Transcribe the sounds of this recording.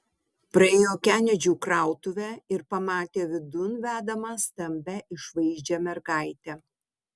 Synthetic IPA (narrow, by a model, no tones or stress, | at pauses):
pɾɐeːjoːkʲæːnʲɛd͡ʒʲuːkɾɑˑʊt̪ʊʋʲæɪɾpɐmɑːt̪ʲeːʋʲɪd̪ʊnʋʲæːd̪ɐmɑːst̪ɐmʲbʲæʔɪʃʋɐɪʒʲd͡ʒʲɛmʲɛɾɡɑˑɪt̪ʲɛ